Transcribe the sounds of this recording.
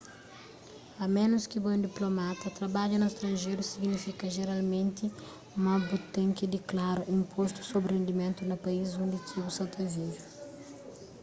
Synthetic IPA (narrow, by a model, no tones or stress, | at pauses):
ɐmẽnuskibõd̪iplomat̪ɐt̪ɾɐbaʎɐnust̪ɾɐ̃nʒejɾusiɡnifikɐʒeɾalmẽnt̪i | mɐbut̪ẽŋkid̪iklaɾuʔĩmpʰost̪u̥sobɾrẽnd̪imẽnt̪unɐpɐizõnd̪it̪ʰibusɐwt̪ɐviʒu